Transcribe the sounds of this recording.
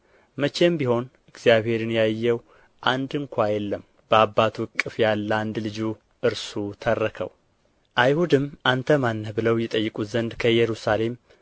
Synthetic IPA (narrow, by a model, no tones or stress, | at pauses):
mət͡ʃe̞mbiho̞n | ɨɡz̥ijaβhe̞ɾɨnjajːɛw | ʔand̪ɨŋkʷʰajɛlːəm | b̥əabːat̪ʰuɨkʼːɨfjalːand̪lɨd͡ʒu | ʔɨɾsut̪ʰərːəkʰə̰w | ʔajhud̪ɨmʔant̪ʰəmanːəhbɨləwjɛt̪ʼəjːɨkʼuzənd̪kʰəjɛɾusale̞m